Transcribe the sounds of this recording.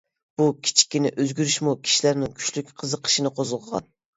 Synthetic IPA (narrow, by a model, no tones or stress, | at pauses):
b̥ukʲʰi̥t͡ʃʰi̥kʲːinɪʔøzɡʲyɾyʃmukʲʰi̥ʃilæɾnɪŋkʲʰy̥t͡ʃlykʲqʰəzəqʰːə̥ʃinɨqʰozəʁəʁɑ̰n